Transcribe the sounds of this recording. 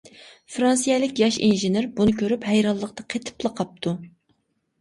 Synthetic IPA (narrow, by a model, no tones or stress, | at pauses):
fɾɑnsijɛlɪkʲjɑʃḭnʒɪneɾbunɨkʲʰøɾyphæjɾɑlˠːəq̚t̪ɑqʰet̪ʰɪ̥plˠəqʰɑp̚t̪ʰu